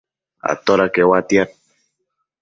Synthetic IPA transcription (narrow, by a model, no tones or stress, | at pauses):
a̰t̪oɾakewat̪jaɾ